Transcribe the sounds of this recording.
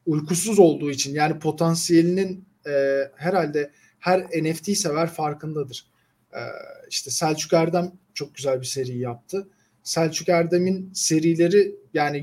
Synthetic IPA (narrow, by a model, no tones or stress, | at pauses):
ujkʰusuzo̞lˠd̪uːit͡ʃʰinjaːnipʰo̞t̪ʰansije̞lʲinin | ɛːheɾalʲd̪ɛ | hæɾenɛft̪ʰiːse̞væɾfaɾkɯnd̪ad̪ɯɾ̥ | ɛ̰ːiʃt̪ʰɛsælʲt͡ʃʰycæɾd̪æmt͡ʃʰo̞k̚ɟyzælʲbise̞ɾijijap̚t̪ʰɯ | sælʲt͡ʃʰycæɾd̪eminse̞ɾijlʲe̞ɾijaːni